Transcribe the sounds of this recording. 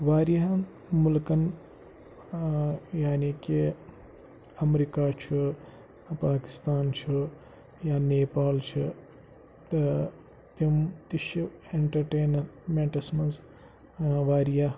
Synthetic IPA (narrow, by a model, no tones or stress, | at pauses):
ʋaːɾijaɦ | mulkɐn | jaːniːki | ɐmɾikaːt͡ʃʰi | paːki̥st̪aːnt͡ʃʰi | jaːneːpaːlt͡ʃʰi | t̪imt̪iʃieɳʈɐɾʈeːnɐɾmeɳʈɐsmɐnz | ʋaːɾija